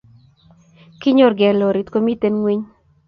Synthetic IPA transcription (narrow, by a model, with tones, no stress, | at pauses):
ki˦ɲo˦ɾɡɛ˨lo˨ɾi˨t̪ko˦mi˦t̪e˦nŋwi˦ɲ